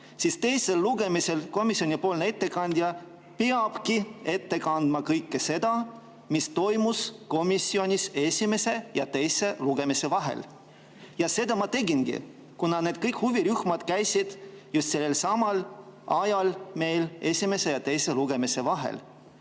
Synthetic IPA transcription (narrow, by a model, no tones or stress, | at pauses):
sist̪e̞jse̞lːuɡ̥e̞mise̞lko̞misionipo̞ːlnee̞t̪ːe̞kɑnʲd̪̥ʲjɑ | peɑb̥kie̞t̪ːe̞kɑnd̪̥mɑkɤjkːese̞d̪̥ɑ | mist̪o̞jmusko̞misʲːio̞nʲise̞sʲime̞se̞jɑt̪e̞jse̞luɡ̥e̞mise̞vɑɦe̞̰l | jɑse̞d̪ɑmɑt̪e̞ɡinɡḭ | kunɑned̪̥̚kɤjkhuviɾyhmɑd̪̥kæjsid̪̥just̪se̞lːe̞lsɑmɑlɑjɑlme̞jle̞sʲime̞se̞jɑt̪e̞jse̞luɡ̥e̞mise̞vɑɦḛl